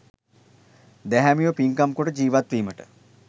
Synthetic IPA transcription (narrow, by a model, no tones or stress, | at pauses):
d̪æɦæmiʋopiŋkamkoʈəd͡ʑiːʋat̪ʋiːməʈə